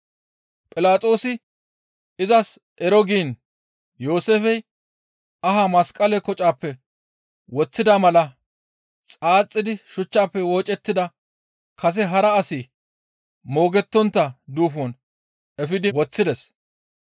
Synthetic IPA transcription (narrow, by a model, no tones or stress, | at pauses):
pʼɪlaːt̪ʼo̞ːsɪ | ɪzɐs | ʔɛɾɔɡiːn | jo̞ːseːfɛj | ɐɦamɐskʼɐlɛkɔt͡ʃʼaːpːɛ | wɔt͡sːɪd̪amɐlɐ | t͡sʼaːt͡sʼːɪd̪ɪʃʊt͡ʃːaːpːɛwo̞ːt͡ʃʼɛt̪ːɪd̪ɐ | kʰɐs̬ɛɦɐɾɐːsiː | mo̞ːɡɛt̪ːɔnt̪ːɐd̪uːfɔn | ɛfɪd̪ɪwɔt͡sːɪd̪ɛs